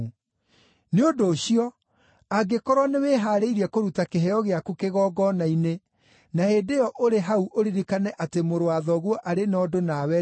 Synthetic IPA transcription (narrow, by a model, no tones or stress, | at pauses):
neodoːɕiɔ | aɡekɔɾwɔneweːɦaːɾeiɾiɛkoɾutakeɦɛɔɣeakukeɣɔːɡɔnaine | nahedejɔʔoɾeɦauʔoɾiɾikanɛʔatemoɾoaðɔɣwɔʔaɾenɔdonawɛ